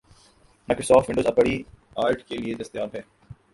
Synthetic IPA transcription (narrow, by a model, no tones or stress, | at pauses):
maɪkɾosɔːʈʋɪ̃ɳɖoːzɐpəɽi | aːɾʈkelied̪ɐst̪jaːbɦɛː